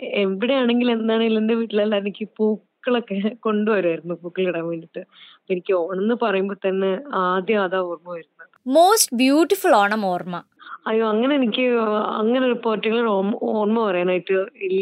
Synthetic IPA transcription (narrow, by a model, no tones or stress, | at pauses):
e̞mbiɽejaːɳe̞ŋɡile̞nd̪aːɳɨilːɐndeʋiːʈːilalːaenikʲːɨpuːkːɐɭokːeko̞ɳɖɨʋɐɾuaːjɾunːupuːkːɐɭkɐɽaːnʋeːɳɖiʈːɨɐpːenikʲːɨoːɳenːɨpɐrɐjumboːɾt̪ɐnːeaːd̪jɐaːðaːoːrmɐʋɐɾunːɐ | moːsʈbjuːʈːifuloːɳɐmoːrmɐ | ɐjoːɐŋːɐne̞enikʲːɨɐ̰ŋːɐneripːo̞ːrtːiŋɐɭoɭomoːrmɐpɐrɐjaːnaːjiʈːɨilː